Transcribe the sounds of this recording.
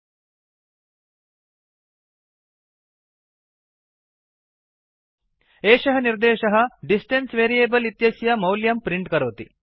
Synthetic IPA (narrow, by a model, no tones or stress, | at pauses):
eːʃɐɦɐniɾd̪eːʃɐɦɐɖisʈensʋeːɾieːbɐlit̪jɐsjɐmɐwljɐmpɾiɳʈkɐɾoːt̪ḭ